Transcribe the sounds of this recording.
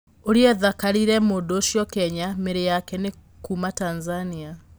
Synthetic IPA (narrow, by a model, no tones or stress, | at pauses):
oɾiɛðakaɾiɾɛmoːdoːʃjɔkɛɲameɾejakɛne | kumatanzania